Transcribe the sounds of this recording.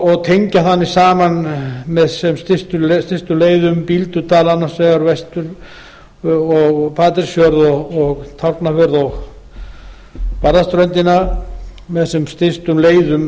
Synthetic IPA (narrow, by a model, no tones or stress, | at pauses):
ɔɣt̪ʰejɲcaθanːɪsaːmanmɛðsɛmst̪ɪst̪ʏlst̪ɪst̪ʏleːjðʏmpilt̪ʏt̪aːlanːasvɛɣaɾvɛst̪ʏɾ | ɔɣpʰaːt̪ɪɾ̥sjœɾðɔɣɔɣt̪ʰawrpnafœɾðɔɣ | paɾðast̪ɾœnt̪ɪna | mɛðsɛmst̪ɪst̪ʏmleːjðʏm